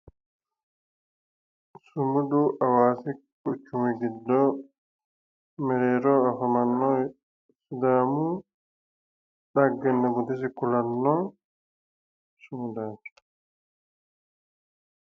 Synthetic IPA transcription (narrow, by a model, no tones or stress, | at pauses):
sumuduʔawaːsi | kut͡ʃːumiɡidːɔ | mɛɾɛɾɔafamanːɔj | sud̪aːmu | ɗaɡːɛnːaɡud̪ɛs̬ikulanːɔ | sumudan